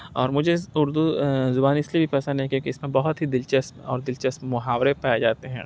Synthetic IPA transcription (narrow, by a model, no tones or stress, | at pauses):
ɔːɾmʊd͡ʒʱeʊɾd̪uzʊbaːnɪslibʱipɛːsə̃nd̪ɦɛkjõːkiɪsmẽbɐɦʊt̪ɦid̪ɪlt͡ʃəsɔ̰ːɾd̪ɪlt͡ʃəsmʊɦaːwɾepaːed͡ʒaːt̪eɦɛ̰̃ː